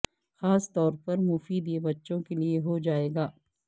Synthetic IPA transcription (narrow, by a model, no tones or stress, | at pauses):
xaːst̪ɔːɾpɐɾmʊfiːd̪jebɐtːʃõkelieɦod͡ʒaːeːɡaː